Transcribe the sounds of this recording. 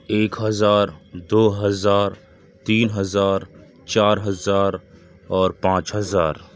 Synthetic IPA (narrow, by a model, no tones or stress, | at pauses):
eːkɦɐzaːɾd̪oːɦɐzaːɾ | t̪iːnɦɐzaːɾ | t͡ʃaːɾɦɐzaːɾ | ɔːɾpãːt͡ʃɦɐzaːɾ